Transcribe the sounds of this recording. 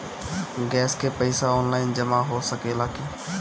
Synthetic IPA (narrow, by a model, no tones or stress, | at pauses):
ɡɛːskepəɪsaɔːnlaːɪnd͡ʒəmaɦosəkelaːke